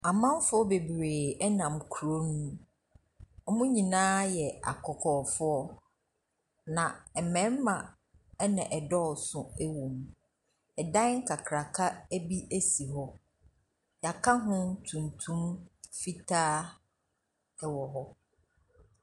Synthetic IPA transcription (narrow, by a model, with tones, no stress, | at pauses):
a˨mã˦m˦fʊ˦ɔ˦be˨bɾeː˨ɛ˦nã˨mkʰu˨ɾo˦nũ˦ | ɔ˦mʊ̃˦ɲĩ˨nãː˦jɛ˨a̰˨kʰɔ˨kʰɔː˨fʊ˦ɔ˦ | nã˨ɛ˨mɛ̃˨˦m˦mã˨ | ɛ˦nã˨ʔɛ˨dɔ˦˨sʊ̃˨ɛ˦wõ˨m | ɛ˨dã˦ŋ̩˦kʰa˨kʰɾa˨kʰa˦æ˦bi˦ʔæ˦si˨ɦɔ˦ | ja˨kʰa˦ɦʊ̃˦tʰũ˨ntʰũ˦mfi˦tʰaː˦ | ɛ˦wɔ˨ɦɔ˦